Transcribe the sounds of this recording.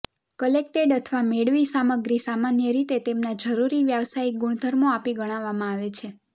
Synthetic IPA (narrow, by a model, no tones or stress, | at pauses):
kəlek̚ʈeɖət̪ʰʋameɽʋisaməɡɾisamanjəɾit̪et̪emnad͡ʒəɾuɾiʋjəʋsaiɡuɳ̃d̪ʱəɾmoapiɡəɽ̃ãʋːamãaʋet͡ʃʰe